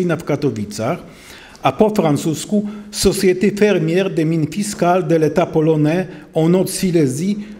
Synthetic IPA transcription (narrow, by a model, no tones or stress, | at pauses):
inafkat̪ɔvit̪sax | apofɾant̪suskusɔsjɛt̪efɛɾmjɛʁd̪ɛminfiskald̪ɛlɛt̪apɔlɔnɛ | ɔnɔt̪silɛzi